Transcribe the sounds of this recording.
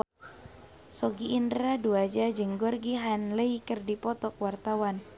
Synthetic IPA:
sɔɡiːndɾaduad͡ʒad͡ʒɨŋɡɔrɡiɦanləikərdipɔt̪ɔk̚wart̪awan

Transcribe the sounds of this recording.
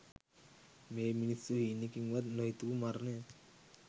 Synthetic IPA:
meːminisuɦinikiŋʋad̪noɦit̪ukumaɾnea

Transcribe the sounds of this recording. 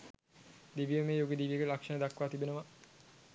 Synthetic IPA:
d̪iʋijəmeːjoɡed̪iʋijəɡelakʂɐnəd̪akːʋaːt̪ibenəma

